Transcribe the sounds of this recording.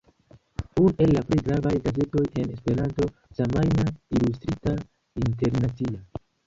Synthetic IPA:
une̞lːapɾejɡɾavajɡaze̞to̞je̞ne̞spe̞ɾanto̞ | samajnailustɾita | inte̞ɾnat͡sia

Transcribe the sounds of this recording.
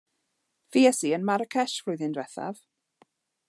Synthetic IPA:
fiɛsiənmaɾəkʰɛʃflʊjðɪndwɛθa̰v

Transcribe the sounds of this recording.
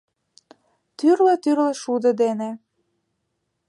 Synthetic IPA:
t̪yrlĕt̪yrlĕʃud̪ɤ̆d̪ene

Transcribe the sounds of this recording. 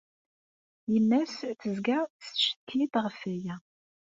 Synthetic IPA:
jənːæsθəzɡæsʃə̥t̪ʰːit̪ʁəfæjæ

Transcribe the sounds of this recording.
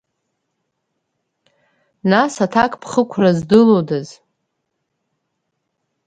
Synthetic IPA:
nasatʰakʼpʰχəkʷʰrazdɨlodaz

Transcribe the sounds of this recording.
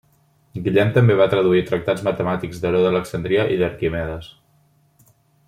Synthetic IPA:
ɡiʎɛmt̪əmbeβ̞at̪ɾəðuit̪ɾək̚t̪ad͡zzmət̪əmat̪iɡzðəɾoðələksənd̪ɾiəʔiðəɾkimɛðəs

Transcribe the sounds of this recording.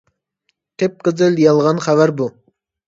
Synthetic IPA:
t̪ʰep̚qʰəzɨljɑlˠʁɑnχævæɾbu

